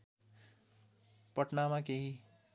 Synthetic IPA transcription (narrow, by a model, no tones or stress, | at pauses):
pʌʈnamãkeɦi